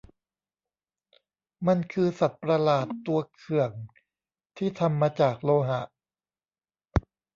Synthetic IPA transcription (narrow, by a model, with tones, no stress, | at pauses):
ma˧nkʰɯː˧sa˨˩t̪̚pɾa˧laː˨˩t̪ːu˧ɐkʰɯ˨˩əŋ | t̪ʰiː˥˩t̪ʰa˧mːaː˧t͡ɕaː˨˩k̚loː˧ɦa˨˩˦ʔ